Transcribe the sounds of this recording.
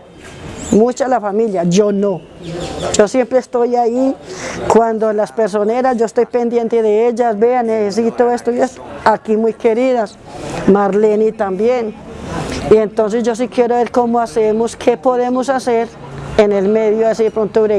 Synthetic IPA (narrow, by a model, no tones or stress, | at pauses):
mut͡ʃalafamiljad͡ʒono | d͡ʒosjempɾeːst̪ojaikwand̪olaspeɾs̬oneɾasd͡ʒoest̪ojpend̪je̞nt̪eðeeʎasbeaneses̬it̪oest̪oiest̪oakimujkeɾiðas | maɾlenit̪ambjeŋ | ient̪ons̬esd͡ʒo̞s̬ikjeɾoβeɾkomoasemoskʰepoðemosaseɾ | enelmeðjoes̬ipɾont̪uβɾe